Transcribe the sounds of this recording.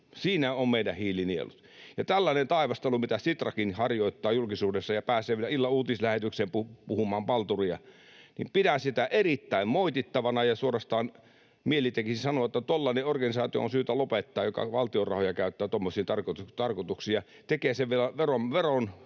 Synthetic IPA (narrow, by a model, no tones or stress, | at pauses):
siːnæommeˑidæhiːliniḛlut̪jɑt̪ælːæˑnent̪ɑˑeʋɑst̪ɑlumit̪æsit̪rɑkinhɑrjoˑit̪ːɑːjulkisuːdesːɑjɑpæːseːʋielæilːɑuːt̪islæhet̪ykseːmpupuhumˑɑːmpɑlt̪uriɑ̰ | nḭmpidænsit̪æʔerit̪ːæˑimmoˑit̪it̪ːɑʋɑnɑjɑsuorɑst̪ɑːn | mielit̪ekisisɑnoɑt̪ːæt̪olːɑneorɡɑnisɑːt̪io̰o̰nsyːt̪ælopet̪ːɑːjjokɑ̰ʋɑlt̪iorɑ̰hojɑkæˑøt̪ːæːt̪omːosiːnt̪ɑrkot̪ut̪ɑrkot̪uksiːjɑ | t̪ekeːseʋʋielæʋeromʋeron